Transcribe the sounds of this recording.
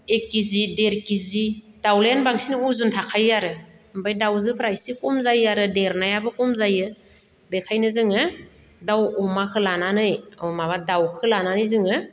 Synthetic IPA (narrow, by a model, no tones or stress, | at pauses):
ekizideɾkizi | d̥awleanbaŋsinɯuzuntʰakʰajaɾɯ | mbajdawzɯpʰɾajsikɔmzajaɾɯdeɾnajabɯkɔmzajɯ | bekʰajnɯzɯŋɯ | dawɔmakʰɯlananɯjɔmaβadawkʰɯlananɯjzɯŋɯ